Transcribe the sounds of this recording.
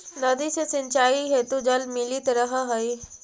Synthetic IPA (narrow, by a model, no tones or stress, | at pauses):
nɐd̪isesɪ̃nt͡ʃaːiɦet̪od͡ʒɐlmɪlit̪ɾəɦaɦɐi